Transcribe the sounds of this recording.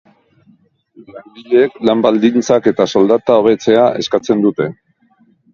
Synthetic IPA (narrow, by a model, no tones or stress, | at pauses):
laɾdiʎeeklambald̪int͡sake̞t̪aso̞ld̪at̪ao̞β̞e̞t͡se̞aʔe̞skat͡se̞nd̪ut̪e̞